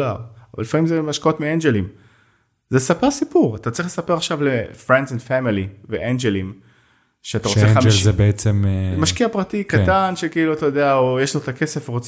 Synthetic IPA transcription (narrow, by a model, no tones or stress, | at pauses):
aʁva̰lːifamimzemaʃkao̞t̪miend͡ʒelim | zesapeʁsipuʁat̪att͡saʁiχlesapeʁaχʃavlefʁend̪zɛndfamiliveʔend͡ʒelim | ʃeat̪aʁoeaebeet͡semmaʃkiapʁatikat̪anʃekiiluatajodeaojeʃlaot̪akese̞fʁot͡s